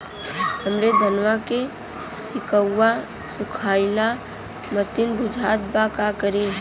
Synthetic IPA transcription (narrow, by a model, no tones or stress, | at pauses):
həmɾed̪ʱənwake | sɪkəːa | sʊkʰaːɪla | mət̪ɪnbʊd͡ʒʱaːt̪̚bakakəɾe